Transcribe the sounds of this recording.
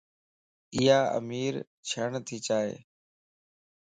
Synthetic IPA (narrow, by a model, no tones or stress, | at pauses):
ɪjaːə̰miːɾ | t͡ʃʰəːɳt̪ʰiːt͡ʃaːɦḛː